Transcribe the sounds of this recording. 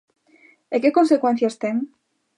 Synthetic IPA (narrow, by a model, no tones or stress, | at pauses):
ekeko̞nsekwen̟θjast̪eŋ